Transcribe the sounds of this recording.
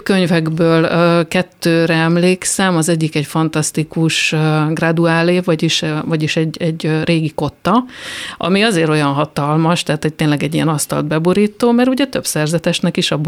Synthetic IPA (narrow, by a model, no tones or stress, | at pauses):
køɲvɛɡbøːlːkɛt̪ːøːɾɛɛmleːksɛmɒzɛɟːikɛcfɒn̪t̪ɒst̪ikuʃɡrɑd̪uaːleːvɒɟiʃvɒɟiʃɛɟɛɟrʔeːɡiko̞t̪ːɒʔɒ̰miɒzeːɾo̞jɒnɦɒt̪ɒlmɒʃt̪ɛɦaːt̪ho̞c̚t̪eːnlɛɡɛɟːijɛnɒst̪ɒ̰ld̪̚bɛboɾiːt̪oːmɛɾuɟɛt̪ø̞bsɛrzɛt̪ɛʃnɛkiʃɒb